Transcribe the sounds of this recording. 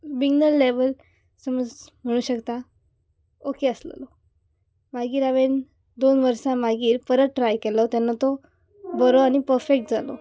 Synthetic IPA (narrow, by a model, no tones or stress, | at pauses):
biɡnəlːeʋəl | səməd͡zm̤əɽ̃uːɕəkt̪a | okeəslə̰lɔ | maɡiːɾaʋen | d̪onʋəɾsãmaɡiːɾpəɾət̪̚ʈɾajkɛlɔt̪janːat̪ɔ | bəɾoaɽ̃ipəɾfek̚ʈ̚d͡zalɔ̰